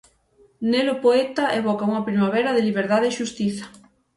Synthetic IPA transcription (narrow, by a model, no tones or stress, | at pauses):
nelʊpoet̪ɐʔeβɔkauŋɐpɾimaβɛɾɐðɪliβeɾðaðeːʃust̪iθɐ̥